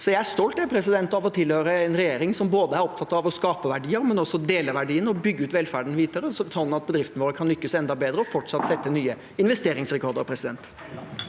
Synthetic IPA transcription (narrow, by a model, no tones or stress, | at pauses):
sɔjæɪæʂt̪ɔlt̪æpʰɾɛsɪd̪ɛnt̪ɑʋɔt̪ʰɪlhøːɾəɛnɾɛjeːɾɪŋsɔmboːd̪əæɾɔp̚t̪ʰɑt̪ːɑʋɔskɑːpəʋæɖiːəɾmɛnɔsːɔd̪eːləʋæɖiːənɔbʏɡːəʉːt̪ʋɛlfæːɖnʋiːt̪əɾəsɔt̪ʰɑlnɑt̪̚bəd̪ɾɪft̪nʋoːɾəkʰɑnlʏkːəsɛnd̪ɑbeːd̪ɾəɔfɔʈʂɑt̪ːsɛt̪ːənyːə | ɪnʋɛst̪eːɾɪŋsɾɛkʰɔɾd̪ə̰ɾpʰɾɛsɪd̪ɛ̰nt̪